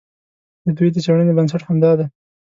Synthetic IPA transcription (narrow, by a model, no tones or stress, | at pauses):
d̪əd̪uit̪ət͡ʃaɽənebəns̬aʈhamd̪ɑd̪a